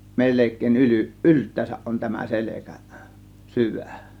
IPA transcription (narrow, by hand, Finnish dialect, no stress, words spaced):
melekˑeˑiʔ ʔyly ʔyltˑæːsæʔ ʔon tæmæ selekæ syʋæ̥ˑ